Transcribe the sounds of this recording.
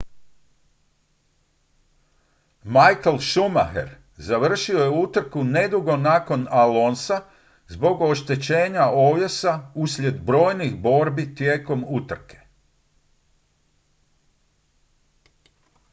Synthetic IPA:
majkelʃuma̰xḛɾ | zaʋr̩ʃio̞jeut̪ɾ̩kune̞d̪uɡo̞naːko̞nalo̞ːnsa | zbo̞ɡo̞ʃt̪e̞t͡ɕe̞ːɲao̞ːʋje̞sausʎje̞d̪bɾo̞ːjnixbo̞ɾbit̪jeːko̞mut̪r̩ke̥

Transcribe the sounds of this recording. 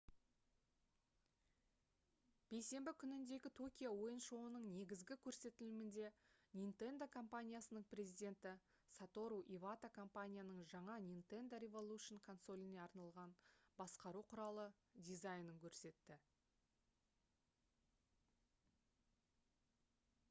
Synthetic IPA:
b̥e̞jse̞mbɪkʲʰʏnɪnd̪e̞ɡʲɪt̪ʰo̞kʲijawo̞jənʃo̞ənəɴne̞ɡʲɪzɡʲɪkʲʰɵɾse̞t̪ɪlɪmɪnd̪e̞nʲint̪e̞nd̪okʰo̞mpanʲijasənəɴprʲe̞zijd̪ʲe̞nt̪ɪ | sat̪o̞ɾuʔivat̪akʰo̞mpanʲijanəɴʒɑɴɑnʲint̪e̞nd̪oɾʲevolˠuʃənkʰo̞nso̞lʲineɑɾnɑlˠʁɑnbɑsqɑɾuqʰʊɾɑlˠə | d̪ʲijzajnəŋkʲʰɵɾse̞t̪ːɪ

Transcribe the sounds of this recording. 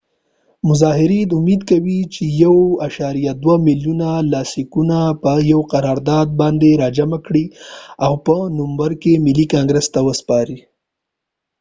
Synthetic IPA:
mʊzɑɦɪɾid̪ʊmed̪kawit͡ʃejawaʃɑɾijad̪wamiljunalɑsikunapəjawqaɾɑɾd̪ɑd̪̚bɑnd̪eɾɑd͡ʒamakɽiawpənʊmbaɾkemɪlikɑŋɡɾəst̪awəspɑɾi

